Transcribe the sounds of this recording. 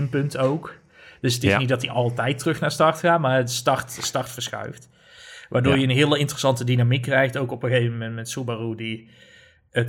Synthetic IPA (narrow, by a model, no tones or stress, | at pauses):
mpɵntowk | d̥ɵsətɪsnidɑtiʔɑlˠtɛjtrɵxnaːɹstɑrtxaːtmaːəstɑrtstɑrtfəɹsxœ̰ɥft | ʋaːɹdoːɹjəənɦɪːləɪntrəsɑntədinamikːrɛjxtowkɔpəxejvəmɛntmɛntsubarudi | ət